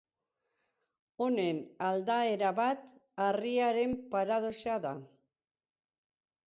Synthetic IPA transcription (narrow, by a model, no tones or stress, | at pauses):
o̞ne̞nald̪ae̞ɾaβat̪ariaɾe̞mpaɾað̞o̞saða